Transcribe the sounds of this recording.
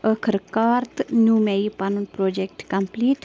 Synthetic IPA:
əkʰəɾkaːɾt̪njuːmeipɐnunpɾoːd͡ʒekʈkɐmpliːʈ

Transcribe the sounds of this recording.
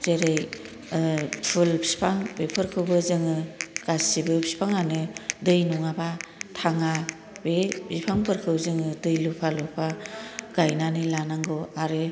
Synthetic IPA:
zeɾej | pʰulbʰispʰaŋbepʰɯɾkʰɯwbɯzɯŋɯɡ̥asibɯbʰi̥spʰaŋanɯdɯjnɔŋabatʰaŋa | bebipʰaŋpʰɯɾkʰɯwzɯŋɯdɯjlupʰalɔpʰaɡ̥ajnanɯlanaŋɡɯwaɾe

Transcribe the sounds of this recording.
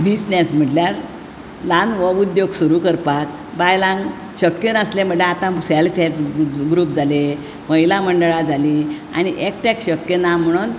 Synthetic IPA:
bisnesm̤əʈljaɾ | lanʋəud̪joɡsuɾukəɾpak | bajlãŋɡ | ɕəkjənəslem̤əɳleat̪ãselfet̪ɡɾuːpd͡zale | məɦilaməɳɖəɭad͡zʱali | a̰ñiʔek̚ʈɛkɕəkjənam̤əɽ̃uːn

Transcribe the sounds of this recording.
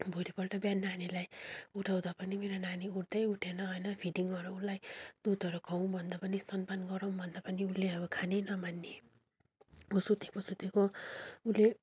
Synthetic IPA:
bʱoɾipʌlʈʌbjanːanilajuʈʰaw̃d̪apʌnimeɾonaniuɽd̪ʌjuʈʰenʌɦʌjnʌpʰiɖiŋɡʌɾoulːajd̪̥ud̪ʱʌɾukʰʌw̃bʱʌnd̪apʌnisʌnpanɡʌɾʌw̃bʱʌnd̪apʌniulːeʌbʌkʰanenʌmanːe | osut̪ekosut̪ekoule

